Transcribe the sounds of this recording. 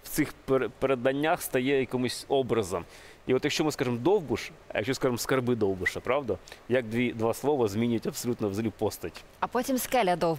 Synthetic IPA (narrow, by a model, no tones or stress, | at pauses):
ft̪sɨxpɾpɾɐd̪ɐnʲːaxst̪ɐjejɐkɐmʊsʲobɾɐzɐm | ivot̪jɐkɕːomɨskaʐɨmd̪owbɨʂ | jɐkɕʲːoskaʐɨmskɐrbɨd̪ovbɨʂɐpɾavd̪ɐjaɡ̚d̪ʋʲid̪ʋaslˠoʋɐzmʲinʲɪtʲɐpsɐlʲut̪nɐvzɐlʲipost̪ətʲ | ɐpotʲɪmskɛlʲɐd̪ow